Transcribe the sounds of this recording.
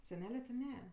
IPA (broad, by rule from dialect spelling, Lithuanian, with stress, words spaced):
sʲɛˈnʲæːlʲɛ tʲɪ ˈnʲɛ